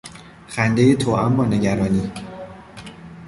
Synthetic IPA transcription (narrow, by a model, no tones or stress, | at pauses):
xænd̪ejet̪ʰoːʔæmbɒːne̞ɟæɾɒːniː